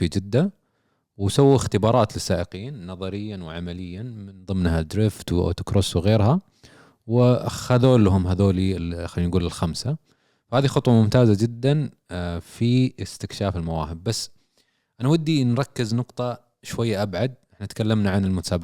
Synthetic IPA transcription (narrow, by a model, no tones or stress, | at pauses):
id͡ʒɪd̪ːa | wsawːiɪxt̪ɪbɑːɾˤɑːt̪lɪsːaːʔɪqiːnːɑðˤɑɾɪjːanwɪʕamalɪjːamɪnðˤɨmnhad̪ɾɪft̪wʔa̰t̪ʊ̥kɾoswɣeːɾha | wɪxaðoːlɦʊmɦaðoːlixalːiːnɡuːlɪlxamsa | fahaːðixʊt̪ˤwɑmʊmt̪aːzad͡ʒɪd̪ːan | fiɪst̪ɪkʃaːfɪlmawaːhɪbːasː | ʔanawad̪ːinɾˤɑkːɪznʊqt̪ˤɑ | ʃwajːaʔabʕad̪̚ʔɪħnaʔt̪kalːamnaʕanɪlmʊt̪ḁsaːb